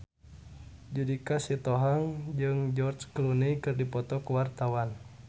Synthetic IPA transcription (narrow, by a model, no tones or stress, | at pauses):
d͡ʒudikasit̪ɔɦaŋd͡ʒɨŋd͡ʒɔrt͡ʃklunikɨrdipɔt̪ɔkəwart̪awan